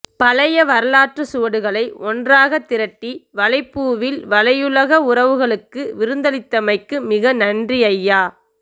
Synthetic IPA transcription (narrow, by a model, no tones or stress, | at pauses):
pɐlɐjɐʋɐɾɐlaːʈrɐsuʋɐɽɯɣɐɭɐɪʔɔndraːɣɐt̪ːɪɾɐʈːiʋɐlɐɪpːuːʋɪlʋɐlɐjɯlɐɣɐʊɾɐʋɯɣɐɭɯkːɯʋɪɾɯnd̪ɐlɪt̪ːɐmɐɪkːɯmɪɣɐnɐndriɐjːaː